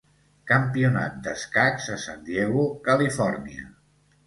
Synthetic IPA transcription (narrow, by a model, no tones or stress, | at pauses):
kəmpiuna̰t̪̚d̪əskakzəsand̪jeɣukəlifɔɾniə̰